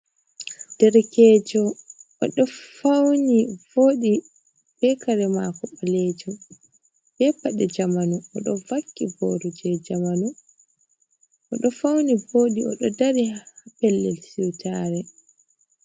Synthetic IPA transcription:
d̥ɛɾkɛːd͡ʒɔ | ɔɗɔfawnivoːɗi | b̥ɛkaɾɛmaːkɔɓalɛd͡ʒɔ | b̥ɛpaɗɛd͡ʒamanuɔ̰ɗɔvakːibɔ̰ɾɔd͡ʒɛd͡ʒamanu | ɔɗɔfawnivoːɗiɔ̰ɗɔdaɾihapɛlːɛ̰lsiwtaːɾɛ

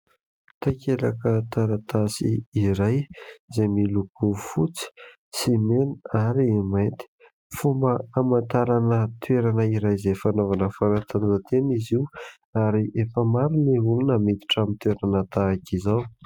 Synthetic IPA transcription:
t̪akelakət̪aɾat̪asiːɾajzemilukufut͡si̥ | simeniaɾiemajnt̪i̥ | fumbəamant̪aɾanət̪weɾanəiɾajzefanovanəfaɾat̪ʰanzat̪eniziw | aɾiʔefəmaɾuneɦulunəmet̪i̥ʈ͡ʂamint̪weɾanət̪akizaw

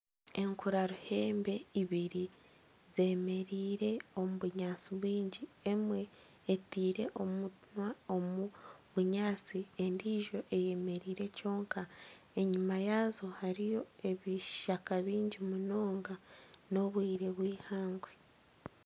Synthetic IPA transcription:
e̞ŋkuɾaɾuhe̞ːmbe̞iβiɾi | ze̞me̞ɾiːɾe̞o̞muβuɲaːt͡siβwiːɲɟie̞mwe̞ː | tiːɾe̞̰ʔo̞munwaomuβuɲaːt͡siendiːʒo̞ʔe̞je̞me̞ɾiːɾe̞co̞ːŋka | e̞ɲumajaːzo̞haɾijo̞e̞βiʃakaβiːɲɟimuno̞ːŋɡano̞βwiːɾe̞βwiːhaːŋɡwe̞

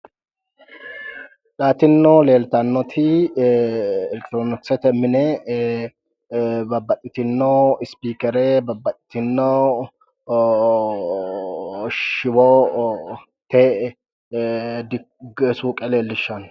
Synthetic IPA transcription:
ᶑaːt̪ɪnːɔle̞ːlt̪ɐanːɔt̪ʰɪ | ɛlɛkt̪ɾonɔsɛt̪ɛmːɪnɛ | bɐbːɐt̪ʼːɪt̪ɪnːoɪspiːkɛɾɛbɐbːɐt̪ʼːɪ̥t̪ɪnːɔ | ʃɪwɔ | t̪eː | d̪ɪ | ɡsuːkʼɛle̞ːlːɪʃːɐn

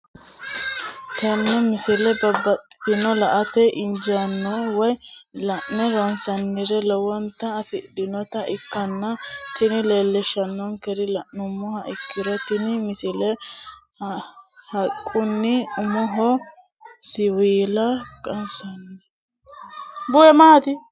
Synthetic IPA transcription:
t̪ɛnːɛmɪsɪlɛbɐbɐtɪnɔlɐʔɐt̪ɛʔɪnd͡ʒɐnːɔwɔjlɐʔnɛɾɔnsɐnːɪɾɛlɔwɔnt̪ɐːfɪdɪnɔt̪ɐʔɪkːɐnːɐt̪ɪnɪleːlːɛʃɐnːɔnkɛɾɪlɐʔnʊmɔhɐʔɪkʰːɪɾɔt̪ɪnmɪsɪlɛ | hɐkʼːʊnːɪʊmɔɦɔ | sɪwiːlɐkʼɐnsɐnːɛ | bʊjɛmaːt̪ɪ

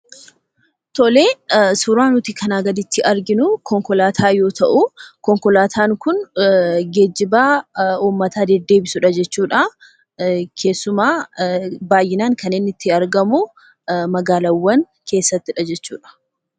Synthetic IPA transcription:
t̪ɔle̞ːsʊɾaːnʊt̪ɪkʰɐnaːɡɐd̪ɪt̪ːɪʔɐɾɡɪnʊkɔŋkɔlaːt̪ʰaːjo̞ːt̪ɐʔʊkɔŋkɔlaːt̪ʰaːŋkʊnɡeːd͡ʒːɪbaːuːmːɐt̪aːd̪ɛd̪ːe̞ːbɪsʊᶑɐd͡ʒɛt͡ʃːuːᶑɐ | kʰe̞ːsːʊmaː | baːjːɪnaːŋkɐneːnːɪt̪ːɪɐɾɡɐmʊ | mɐɡaːlɐwːɐn | kʰe̞ːsːɐt̪ːɪᶑɐd͡ʒɛt͡ʃːuːᶑɐ̥

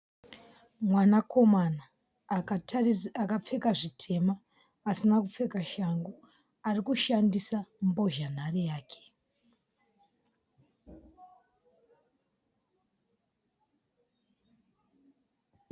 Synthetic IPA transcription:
mwanako̞mana | akap͡fe̞kaʐitʰe̞maː | sinakup͡fe̞kaʃaŋɡo | arikuʃandisambo̞ʒan̤arijaːkʰe̥

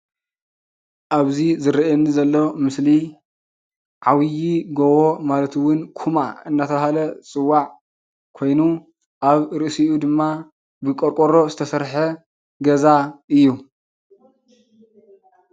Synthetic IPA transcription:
ʔaβzizɨɾɐʔenːizɐlːomɨsli | ʕawjiɡowomalɐt̪ʰɨwʊnkʰuma̰ɨnːat̪ʰɐβahalɐt͡sʼɨwːaʕ | kʰo̞jnu | ʔaβɾɨʔɨsiʔud̪ɨmːa | bɨkʼoɾkʼoɾo̞zɨt̪ʰɐsɐɾħe | ɡɐzaʔɨjːu

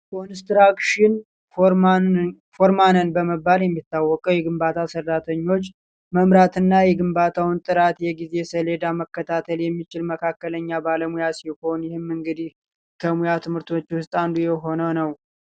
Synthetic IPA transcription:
kʰonst̪ɾakʃɪn | oɾ | foɾmanənbəməbːaljɛmːit̪ːawːɔkʼəwjɛɡɨmbat̪ʰasərːat̪ʰəɲːo̞t͡ʃː | məmɾat̪ɨnːajɛɡɨmbat̪ʰawɨnt̪ʼɨɾat̪jɛɡize̞səled̪aməkːət̪ʰat̪ʰəljɛmːit͡ʃɪlməkʰakːələɲːabaləmujasiho̞njɪhɨmːɨŋɡɨd̪ih | kʰəmujat̪ʰɨmhɨɾt̪ʰo̞t͡ʃːwʊst̪ʼand̪ujɛɦo̞nəwnəw

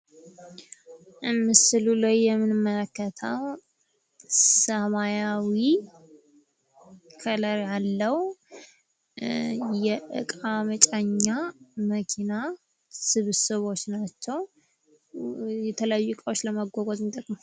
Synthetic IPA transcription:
ʔɨmːɨsɨlulajːɛmːɨnɨmːələkːət̪ʰəw | səmajawi | kʰələɾjalːəwu | jɛʔɨ̰kʼamət͡ʃʼaɲːaməkʰina | sɨβsɨβo̞t͡ʃːnat͡ʃːɛw | jɛt̪ʰələjajːukʼawot͡ʃːləmaɡʷoɡozmt̪ʼəkʼmə

